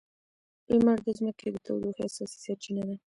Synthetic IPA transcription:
ɪlmaɾd̪əzməked̪ət̪ʰawd̪oxasɑsi̥saɾt͡ʃinad̪a

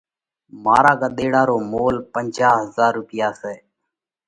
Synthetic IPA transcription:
maːɾaːkaːɗ̪eːɽaːɾoːmoːlpənd͡ʒaːɦəzaːɾːʊpɪjaːsɛː

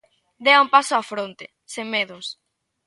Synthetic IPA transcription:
d̪eɐumpasoafɾont̪e | semːeðʊs

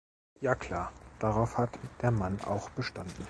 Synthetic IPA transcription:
jaːkʰl̥aːɐd̥aʁaʊfhatd̥eːɐmana̰ʊxb̥əʃtandn̩

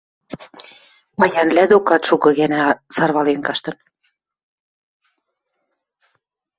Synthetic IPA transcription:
mɑjɑnlæd̪okɑt̪ʃukɤ̆ɣænæsɑrβɑlenkɑʃt̪ɤ̆n

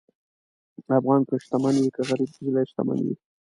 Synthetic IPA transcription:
afɣɑnkəʃt̪amanwikaɣaɾib̚zilajʃt̪a̰ma̰nwḭ

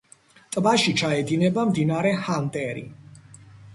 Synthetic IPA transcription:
t̪ʼbaʃit͡ʃʰaɛd̪inɛbamd̪inaɾɛhant̪ʼɛɾḭ

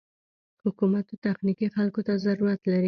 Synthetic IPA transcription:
hʊkumat̪ot̪axnikixalkot̪azaɾuɾat̪laɾi

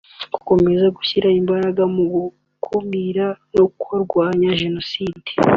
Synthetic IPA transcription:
ɡ̥uko̞me̞zaɡuçiɾaimbaɾaɡamuɡu | kʰumiɾanokoɾɡwaːɲaʒe̞no̞siːde̥

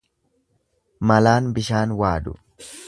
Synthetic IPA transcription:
mɐlaːnbɪʃaːnwaːd̪ʊ̰

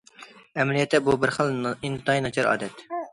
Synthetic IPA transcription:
ɛmɛlijɛt̪ʰːɛbubɪɾχəlˠint̪ʰɨt̪ʰɑjinɑt͡ʃʰɑɾɑ̰ːd̪ɛt̪

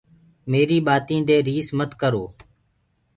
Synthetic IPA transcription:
meːɾiːɓaːt̪ĩːd̪eːɾiːsmət̪kəɾoː

